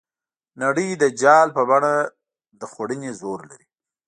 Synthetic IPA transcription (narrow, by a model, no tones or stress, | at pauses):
naɽəjd̪əd͡ʒɑlpəbaɳa | d̪əxwaɽənezoɾla̰ɾi